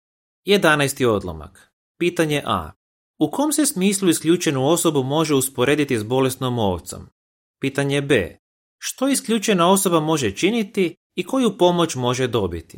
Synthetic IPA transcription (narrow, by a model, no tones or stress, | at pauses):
je̞d̪anajst̪io̞d̪lˠo̰ma̰k | piːt̪aɲe̞ʔa̰ː | ukoːmse̞smiːslˠuiskʎʲuːt͡ʃe̞nuo̞so̞bumo̞ʒeuspo̞ɾe̞ːd̪it̪izbo̞le̞snomo̞ːʋt̪so̞̰m | piːt̪aɲe̞bḛː | ʃt̪o̞iskʎʲut͡ʃe̞nao̞so̞bamo̞ʒe̞t͡ʃinit̪iː | ko̞jupo̞mo̞t͡ʃmo̞ʒed̪o̞bit̪i